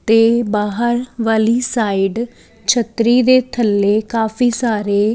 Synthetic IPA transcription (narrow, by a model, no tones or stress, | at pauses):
t̪eːbaːɦəɾʋaːliːsaːiɖ | t͡ʃʰət̪ɾiːd̪eːt̪ʰəlːeːkaːfʰiːsaːɾeː